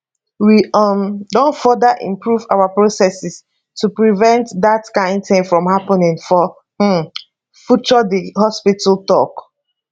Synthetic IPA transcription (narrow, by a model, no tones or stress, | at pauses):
wiʔʌmdõntfɔdəʔḭ̃mpɹuvawapɹosɛsis | tupɹivɛ̃ntdatkãɪ̃ndθẽmfɹɔ̃mhapənĩŋfɔ | h̩ | fut͡ʃɔdihɔspitəltɔk